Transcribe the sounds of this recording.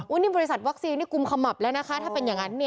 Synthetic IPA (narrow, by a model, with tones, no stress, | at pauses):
ʔuː˦˥niː˥˩bɔː˧ɾi˦˥sa˨˩t̪̚wa˦˥k̚siː˧nːiː˥˩ku˧mkʰa˧mːa˨˩p̚lɛː˦˥wna˦˥kʰa˦˥t̪ʰaː˥˩pe˧njaː˨˩ŋa˦˥nːi˥˩